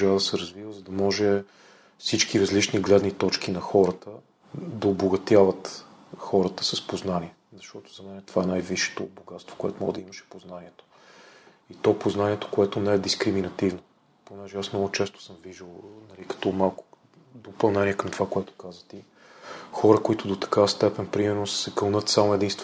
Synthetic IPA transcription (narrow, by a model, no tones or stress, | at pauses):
ʒavd̪əsɛɾɐzvivəzɐd̪ɐmɔʒɛ | fsit͡ʃkiɾɐzlit͡ʃniɡlɛd̪nit̪ɔt͡ʃkinɐxɔɾət̪ə | d̪ɐoboɡɐt̪javət̪ | xɔɾət̪ə̥səspoznaniɛ | zɐʃt̪ɔt̪o̥zɐmɛnɛt̪ovaɛnajviʃɛ̥t̪oboɡat̪st̪vo̥koɛ̰t̪omɔɡəd̪ɐimɐʃɛ̥poznaniɛt̪o̥ | it̪ɔpoznaniɛt̪o̥koɛt̪onɛɛd̪iskɾiminɐt̪ivno | ponɛʒɛasmnɔɡʊt͡ʃɛst̪o̥sɤmviʒəlˠnɐlikɐ̥t̪ɔmalˠkʊ̥ | d̪opɐlˠnɛniɛkəmt̪ovakoɛt̪o̥kazvət̪i | xɔɾəkoit̪ʊd̪ot̪ɐ̥kavəst̪ɛpɛnpɾimɛɾnossɛkəlˠnɤt̪samoɛd̪inst̪v